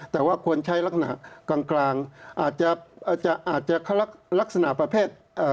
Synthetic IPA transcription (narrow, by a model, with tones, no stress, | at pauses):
t̪ɛː˨˩waː˥˩kʰu˧ənt͡ɕʰa˦˥jla˦˥k̚s̬a˧na̰˨˩ʔkaː˧ŋklaː˧ŋʔaː˨˩t̪̚t͡ɕa˨˩˨t͡ɕa˨˩ʔaː˨˩t̪̚t͡ɕa˨˩ʔkʰa˧˥˩la˦˥k̚la˦˥k̚sa˧na˨˩ʔpɾa˧pʰeː˥˩t̪̚ | ʔəː˨˩